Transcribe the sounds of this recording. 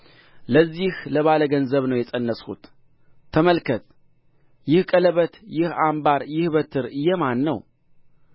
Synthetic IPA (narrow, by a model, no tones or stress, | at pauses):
ləzːihləβaləɡənzəβnəwjɛsʼənːəshṵt̪ʰː | əməlkʰət̪ʼ | jɪhkʼələβət̪jɪhambaɾjɪhbət̪ʰɨɾɨjːɛmanːəw